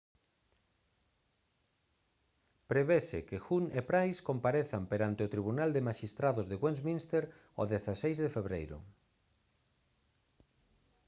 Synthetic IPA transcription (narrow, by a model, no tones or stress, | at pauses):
pɾeβesḛkexunepɾajskompaɾeθampeɾant̪eot̪ɾiβunald̪emaʃist̪ɾaðozðeɣwẽnzmĩnst̪eɾ | o̰ðeθasejzðefeβɾejɾʊ̰